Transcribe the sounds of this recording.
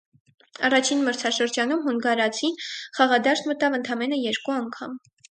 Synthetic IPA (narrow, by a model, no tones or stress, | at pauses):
ɑrɑt͡ʃʰinməɾt͡sʰɑʃəɾd͡ʒɑnumɦɔŋɡɑɾɑt͡sʰinχɑʁɑd̪ɑʃt̪mət̪ɑvənt̪ʰɑmɛnəjɛɾkuɑŋkʰɑm